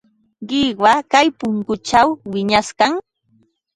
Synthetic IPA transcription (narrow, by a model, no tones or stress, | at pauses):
ɢɪwakajpʊŋkʊt͡ʃawwɪɲaskaŋ